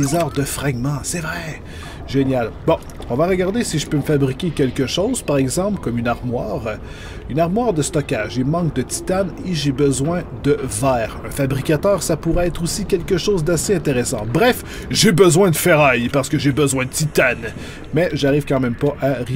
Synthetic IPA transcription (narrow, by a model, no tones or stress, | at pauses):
izaːʁd̪əfχaɡmɑ̃sɛvʁɛ | ʒenjalbɔ̃ | ɔ̃vaʁəɡaʁd̪esiʒəpøməfabʁikʲekʲɛlkʲəʃoːz̥paʁɛɡzɑ̃plkɔmynaʁmwaːʁ | ynaʁmwaːʁd̪əst̪ɔkʲaʒemɑ̃k̚d̪ət̪i̥t̪aneʒebəzwɛ̃d̪əvɛːʁɛ̰̃fabʁikʲat̪œːʁsapuʁɛɛt̪χosikʲɛlkʲəʃoːzd̪aseɛ̃t̪eʁesɑ̃bʁɛf | ʒebəzwɛ̃d̪əfɛʁajpaʁsə̥kəʒebəzwɛ̃d̪ət̪it̪an | mɛʒaʁiv̥kɑ̃mɛ̃mpaʔaʁ